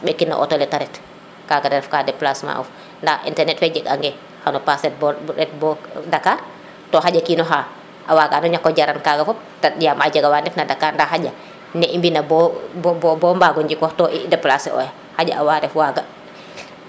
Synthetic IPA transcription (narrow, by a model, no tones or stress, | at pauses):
ɓɛkːinːɔ̰ʔɔ̰tɔlɛtaɾɛt | kaːɡadɛɾɛfkadɛplasma̰ʔɔ̰f | ndaḭntɛɾnɛtfɛd͡ʒɛɡa̰ŋɡɛ | hanɔpasɛt̚bɔɾɛt̚bɔdakaɾ | tɔɦaɟakiːnɔɦa | ʔawaɡaanɔɲakːɔd͡ʒaɾankaɡafɔp̚tadijamad͡ʒaɡawandɛfnadakaɾndaɦaɟa | nɛʔimbinabɔbbɔmbaɡɔɲd͡ʒikɔhtɔʔidɛplasɛ̰ɔ̰j | haɟa̰ʔawadɛfwaɡa